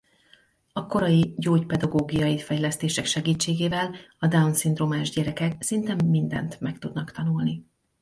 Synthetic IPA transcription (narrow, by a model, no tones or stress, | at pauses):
ɒko̞ɾɒjiɟoːɟpɛd̪ɒɡoːɡijɒjifɛjlɛst̪eːʃɛkʃɛɡiːt͡ʃːeːɡeːvɛlɒd̪aunsind̪roːmaːʒɟɛɾɛkɛksint̪ɛmːind̪ɛ̰nt̪mɛkt̪ud̪nɒkt̪ɒnulni